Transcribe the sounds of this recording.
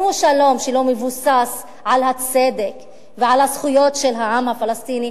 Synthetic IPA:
huʃalo̞mʃelo̞mevusas | ʕalhat͡se̞d̪ek | veʕalhasχujo̞tʃelɦaʕamhafalast̪ini

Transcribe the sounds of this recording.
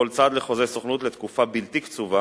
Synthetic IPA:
olt͡sad̪leχo̞zesoχnut̪let̪kufabilt̪ikt͡suva

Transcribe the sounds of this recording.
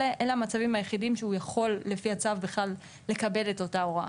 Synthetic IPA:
eʔeleamat͡savimhajeχidimʃeujaχo̞lːe̞fiat͡savbeχlalː | e̞kabe̞de̞to̞tao̞ʁa̰

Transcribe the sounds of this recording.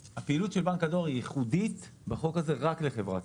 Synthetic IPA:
hapeilutʃelbankado̞ʁijiχudit̪baχo̞kaze̞ʁakleχevʁa̰

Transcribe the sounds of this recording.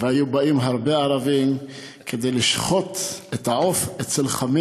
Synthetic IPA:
veajubaimɦaʁbeaʁavim | kʰed̪ejliʃχo̞t̪et̪haofet͡selχami

